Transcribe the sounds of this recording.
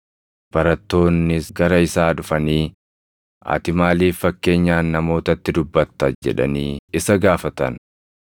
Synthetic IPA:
b̥ɐɾɐt̪ːo̞ːnːɪsɡɐɾɐɪsaːᶑʊfɐniː | ʔa̰ːt̪ɪmaːliːfːɐkːe̞ːɲːaːnːɐmo̞ːt̪ɐt̪ːɪd̪ʊbːɐt̪ːɐd͡ʒɛ̰ᶑɐ̰niːɪsɐɡaːfɐt̪ɐ̰n

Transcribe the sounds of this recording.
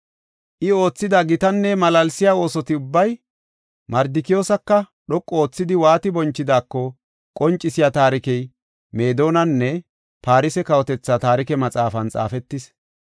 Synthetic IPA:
ʔɪo̞ːt͡sːɪd̪ɐɡɪt̪ɐnːɛmɐlɐlsɪjaːo̞ːsɔt̪ɪʊbːɐj | mɐɾd̪ɪkɪjo̞ːsɐkːɐ | ɗɔkʼːɔoːt͡sːɪd̪ɪwaːt̪ɪbɔnt͡ʃːɪd̪aːkːɔ | kʼɔnt͡ʃʼːɪsɪjat̪aːɾɪkɛj | me̞ːd̪o̞ːnɐnːɛ | paːɾɪsɛkɐwɔt̪ɛt͡sːɐt̪aːɾɪkɛmɐt͡sʼaːfɐnt͡sʼa̰ːfɛt̪ːɪs

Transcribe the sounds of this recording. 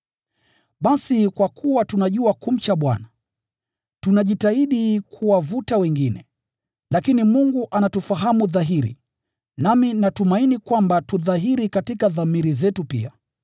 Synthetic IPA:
ɓasikwakʰuwatunaʄuakum̩t͡ʃaɓwa̰na | tunaʄitaiɗikʰuwavutawɛŋɡinɛ | lakinimuŋɡuʔanatufaɦamuðaɦiɾḭ | naminatumainikwambatuðaɦiɾikatikaðamiɾizɛtupḭa

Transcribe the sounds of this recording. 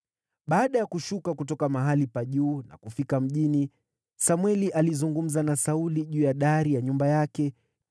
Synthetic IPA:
ɓaːɗajakuʃukakutɔkamaɦalipaʄuːna̰kufikam̩ʄini | samwɛliʔalizuŋɡum̩zanasauliʄuːjaɗaɾijaɲumbajakɛ

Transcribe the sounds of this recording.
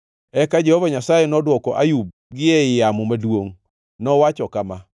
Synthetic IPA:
ɛkad͡ʒɛhovaɲasajenɔdwɔkɔʔa̰jub̚ | ɡɪɛɪjamɔmadwoŋ | nɔwat͡ʃɔkama

